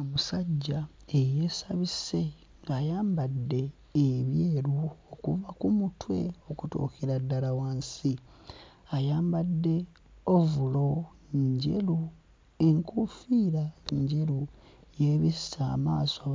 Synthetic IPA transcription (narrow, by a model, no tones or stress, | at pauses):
omusaɟːaeje̞ːsaβise̞ | ŋɡaːjaːmbadːe̞ː | βje̞ːɾuokuvakumutʰwe̞̰o̞kuto̰ːkeɾadːalawansi | ajaːmbadːe̞ | ovulo̞ | ɲɟḛlu | eŋkufiːɾaɲɟe̞ɾu | jeβissa̰ːma̰ːso